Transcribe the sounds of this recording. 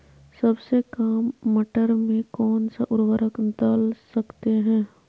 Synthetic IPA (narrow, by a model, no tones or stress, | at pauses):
sɐbsekaːmːəʈəɾmẽkɔːnsaʔʊɾwəɾəkd̪əlsɐkt̪eɦɛ̃ː